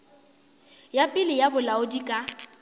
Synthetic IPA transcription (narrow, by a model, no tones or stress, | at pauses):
japʼɪlɪjabʊlaʊdikʼa